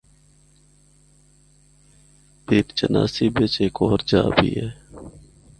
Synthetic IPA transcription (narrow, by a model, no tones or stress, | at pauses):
p̪iːɾt͡ʃəna̰ːsiːbɪt͡ʃeːkoːɾd͡ʒaːbḭːɛː